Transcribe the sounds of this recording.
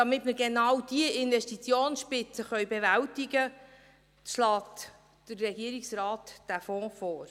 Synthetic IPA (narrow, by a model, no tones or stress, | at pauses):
d̥ɑmɪtmɪɾɡenɑwd̥iəʔɪnvɛʃtit͡sjoːnsʃpɪt͡səχœjbɛvæltɪɡə | ʃlɑːt | d̥ərːɛɡiəɾiksɾɑːtd̥æfɔ̃ːfɔːɾ